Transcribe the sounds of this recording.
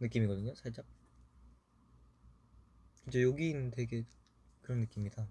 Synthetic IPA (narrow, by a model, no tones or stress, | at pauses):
nɯk͈imiɡʌdɯɲosʰaɭt͡ɕ͈a | ɯnd͡ʑejoɡiːnntwe̞ɡe̞ | kɯɾʌnːɯk͈imɲida